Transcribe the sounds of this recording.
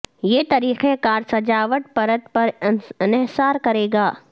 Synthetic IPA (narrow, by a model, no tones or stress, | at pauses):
jeːt̪ɐɾiːxẽkaːɾsɐd͡ʒaːʋəʈ̚pɐɾət̪pɐɾɪnɛɦsaːɾkɐɾeːɡaː